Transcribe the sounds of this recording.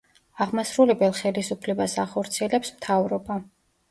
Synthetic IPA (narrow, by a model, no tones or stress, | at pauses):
aʁmasɾulɛbɛlˠχɛlisupʰlɛbasaχɔɾt̪sʰiɛlɛpsmt̪ʰavɾɔba